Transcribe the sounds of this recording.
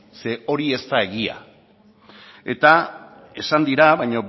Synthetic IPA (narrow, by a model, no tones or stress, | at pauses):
se̞o̞ɾie̞st̪ae̞ɣia̰ | e̞t̪a | e̞sand̪iɾaβajɲo̞